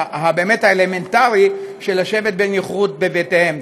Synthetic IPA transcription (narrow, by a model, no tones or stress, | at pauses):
ɦabe̞ːme̞thaeleme̞ntaʁiʃelaʃe̞vet̚benjiχʁut̪̚be̞vetehem